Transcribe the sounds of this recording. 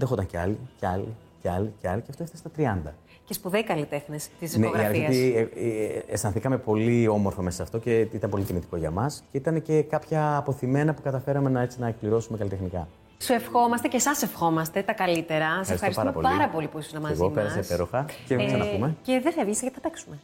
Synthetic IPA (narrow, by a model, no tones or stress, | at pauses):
nd̪exot̪ɐɲceɐ̰liceɐlḭ | ceɐliceɐliceɐft̪oeft̪ɐst̪ɐt̪ɾiɐnd̪ɐ | cespuðeikɐlit̪exnest̪izneiɐɐlioieest̪ɐnθikɐme̞po̞lio̞mo̞ɾfome̞sɐːft̪o̞ceit̪ɐnpo̞lit̪imit̪i̥ko̞ʝɐ̰mɐsceit̪ɐne̞ce̞kɐpçɐːpo̞θime̞nɐpukɐt̪ɐfe̞ɾɐme̞nɐe̞t͡sinɐek̚pliɾo̞sumekɐlit̪e̞xnikɐ | suefxo̞mɐst̪ecesɐsefxo̞mɐst̪et̪ɐkɐlit̪e̞ɾɐsɐɾistɐɾoistpɐɐompo̞lpɐɾɐpo̞lipuisoznɐmɐeɣopeɾɐsepeɾoxɐcesɐnɐumeceðeθɐevʝiseʝɐt̪ɐpeksume